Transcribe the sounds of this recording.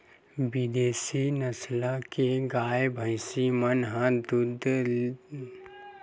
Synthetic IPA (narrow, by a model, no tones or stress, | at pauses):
bɪd̪eːsinɐslakeɡaːjebʱəɪsimənɦãd̪ʊd̪ʱ